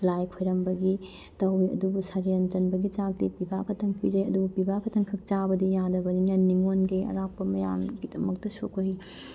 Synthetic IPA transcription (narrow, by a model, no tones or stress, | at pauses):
lajkʰojɾɐmbɐɡi | tɐwiɐ̰dubusɐɾijɐnd͡ʒɐnbɐɡit͡ʃak̚tipibakʰɐtʰɐŋpid͡ʒɐjɐ̰dubupibʱakʰɐtʰɐŋkʰɐk̚t͡ʃabɐdijadɐbɐninɐniŋonɡeɐ̰ɾapːɐmɐja̰mɡidɐmɐk̚tɐsokʰoɦi